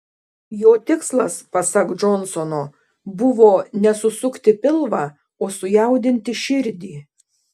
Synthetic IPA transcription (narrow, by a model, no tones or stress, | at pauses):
joːt̪ʲɪkslˠɐspɐsɐkd͡ʒɔnsɔnoː | bʊʋoːnʲɛsʊsʊkt̪ʲɪpʲɪlˠʋɑː | oːsʊjɛˑʊd̪ʲɪnʲt̪ʲɪʃʲɪɾʲd̪ʲiː